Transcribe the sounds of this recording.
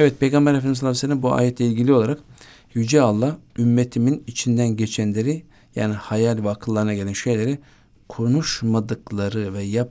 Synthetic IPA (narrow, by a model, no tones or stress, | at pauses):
ɛvɛt̪̚pʰe̞jɡambæɾafed̪imslːˠamselʲːæmbua̰ːjɛt̪lʲɛilʲɟilʲijo̞lˠaɾak | jyd͡ʒɛalˠːaymːet̪ʰiminit͡ʃʰind̪ænɟe̞t͡ʃʰænlʲe̞ɾi | ja̰ːnihajalʲvɛakʰɯllˠːaɾɯnaɟelʲænʃe̞jlʲe̞ɾi | kʰo̞nuʃmad̪ɯklˠaɾɯvɛja